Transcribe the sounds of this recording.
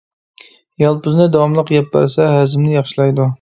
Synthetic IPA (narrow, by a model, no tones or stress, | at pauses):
jɑlˠpʊznɪd̪ɑwɑmlˠəqɡʲɛpːæ̰ɾsɛɦæzɪmnɪjɑχʃilˠɑjd̪u